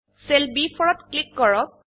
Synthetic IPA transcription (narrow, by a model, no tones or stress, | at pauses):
selbipʰɔɹɔtklikːɔɹɔk̚